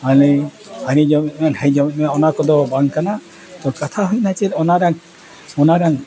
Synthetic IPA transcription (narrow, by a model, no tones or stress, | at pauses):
ali | anid͡ʒɔmit̪̚ˀmanhɛjd͡ʒɔmit̪mɔnakɔd̪ɔbaŋkana | t̪ɔkat̪ʰaɦujnat͡ʃɛɾɔnaɾaŋ | ɔnaɾaŋ